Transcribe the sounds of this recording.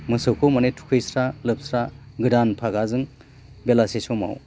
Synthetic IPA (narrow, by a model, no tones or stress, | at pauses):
mɯsɯwkʰomanetʰu̥kʰɯjsɾalɯp̚sɾaɡɯɾanpʰaɡazɯŋ | belasesɔma̰w